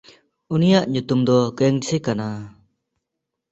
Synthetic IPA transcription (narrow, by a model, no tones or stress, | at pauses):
unijaʔɲut̪umd̪ɔɡɛŋsʰekana